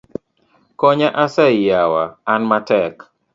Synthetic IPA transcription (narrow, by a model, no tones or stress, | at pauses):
kɔɲaʔasajawaːnmatɛk